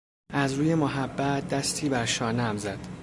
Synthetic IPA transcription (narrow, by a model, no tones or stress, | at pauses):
ʔæzɾuːje̞moɦæbːæt̪̚ʰd̪æst̪ʰiːbæɾʃɒːnæmzæd̪̥